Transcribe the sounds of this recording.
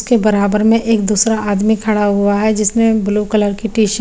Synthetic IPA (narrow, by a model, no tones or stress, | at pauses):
skebɐɾaːbəɾmẽʔeːk̚d̪uːsɾaaːd̪mikʰɐɽaɦʊaɦɛd͡ʒɪsnebʊlukələɾkiʈiːʃ